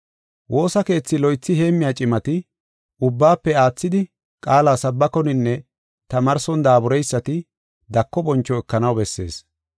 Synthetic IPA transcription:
wʔo̞ːsɐke̞ːt͡sːɪlɔjt͡sːɪhe̞ːmːɪjaːt͡ʃʼɪmɐt̪ɪ | ʔʊbːaːpːɛaːt͡sːɪd̪ɪ | kʼaːlaːsɐbːɐkɔnɪnːɛ | t̪ɐmɐɾsɔnd̪aːbʊɾɛjsːɐt̪ɪ | d̪ɐkːɔbɔnt͡ʃːɔɛkːɐnɐwbɛsːe̞̰ːs

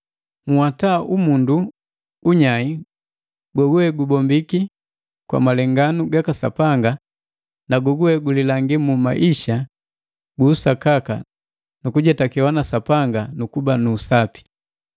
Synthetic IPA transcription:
ŋ̩wataʔumundu | uɲai | ɡwɔɡuɛɡubɔmbiki | kwa̰malɛŋɡanuɡakasa̰paŋɡa | naɡɔɡuɛɡulilaŋɡimumaʔiʃa | ɡuːsakaka̰ | nukuɟɛtakiwanasapaŋɡanukubanuːsapi̥

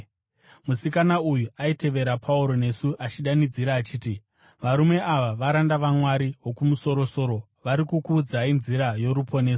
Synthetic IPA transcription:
musikanaujuaite̞ʋe̞ɾapʰauɾo̞ne̞suʔat͡ʃiɗanid͡ziɾaːt͡ʃiːti | ʋaɾume̞ʔaʋaʋaɾandaʋamwaɾiɦwo̞kumuso̞ɾo̞so̞ɾo̞ | ʋaɾikukuːd͡zainziɾajo̞ɾupʰo̞ne̞ːso̥

